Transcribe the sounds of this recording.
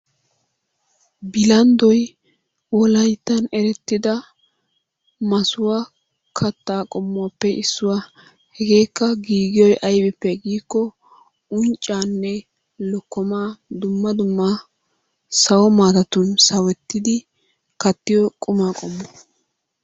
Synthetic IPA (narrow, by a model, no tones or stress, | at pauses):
bɪlɐnd̪ɔj | wɔlɐjt̪ːɐnɛɾɛt̪ːɪd̪ɐ | mɐsʊwa | kʰɐt̪ːaːkʼɔmːʊwaːpːɛʔɪsːʊwa | hɛɡe̞ːkːɐɡiːɡɪjɔjʔɐjbɪpːɛɡiːkːɔ | ʊnt͡ʃʼːaːnːɛ | lɔkːɔmaːd̪ʊmːɐd̪ʊmːa | sɐwɔmaːt̪ɐt̪ʊnsɐwɛt̪ːɪd̪ɪ | kɐt̪ːɪjɔkʼʊmaːkʼɔmːɔ̥